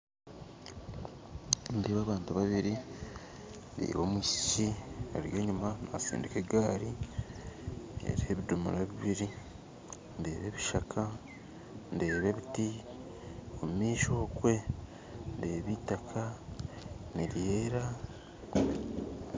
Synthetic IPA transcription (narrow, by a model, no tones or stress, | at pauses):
ndeːβaːβaːntuβaβiɾi | ndḛːβomwiscia̰ɾjeːɲumana̰sḭːndikeɡaːɾi | ḛɾihe̞βidumṵɾaβiβiɾi | nde̞̰ːβe̞βiʃakʰa | ndeːβe̞βiti | omumiːʃo̞ːkwe̞ | ndeːβitakʰa | niɾjeːɾa